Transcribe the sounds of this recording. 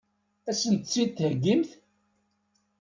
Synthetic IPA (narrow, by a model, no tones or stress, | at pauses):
æsənt̪t͡sːit̪ːhəɡːimθ